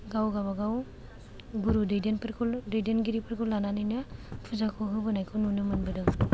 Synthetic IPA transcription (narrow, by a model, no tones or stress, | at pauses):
ɡawɡaβaɡaw | ɡuɾudejdenpʰɾkʰɔldejdenɡiɾipʰɯɾkʰɔlːananɯjnɯpʰɯzakʰɔɦɯbɯnajkʰɯwnunɯmɯnbɯdɯŋ